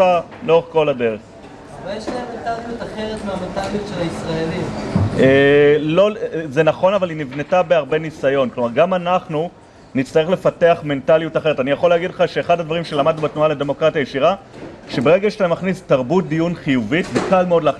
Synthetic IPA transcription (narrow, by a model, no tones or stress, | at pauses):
a | loʁeχko̞lade̞ʁeχ | vejeʃlaemːentalijutaχeʁetmeamentalijutʃelaisʁaelimelo̞zenaχo̞navalinivne̞tabeaʁbe̞nisajo̞nklo̞maʁɡamanaχnu | nitt͡sstaʁele̞fate̞aχme̞ntalijutaχe̞etanijaχo̞leːɡidleχaʃeːχad̪ad̪vaʁimʃelamad̪̚nubet̪nualede̞mo̞kʁatjajeʃiʁaʃebeʁe̞ɡaʃtamaχnistaʁbut̚d̪ijunχijuvitvekalmeo̞dla